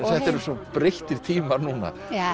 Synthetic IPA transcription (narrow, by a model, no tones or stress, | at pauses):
θɛht̪ɛɾʏsɔpɾeht̪ɪɾ̥t̪ʰiːmaɾnuːna̰